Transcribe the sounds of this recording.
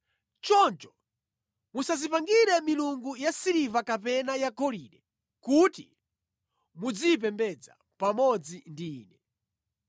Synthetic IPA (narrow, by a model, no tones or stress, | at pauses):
t͡ʃɔnt͡ʃɔ̥ | musazipaŋɡiɾɛmiluŋɡujasiɾivakapɛnajakɔliɗɛ | kuti | mud͡zip̬ɛmbɛd͡za̰ | pamɔd͡zindiːnɛ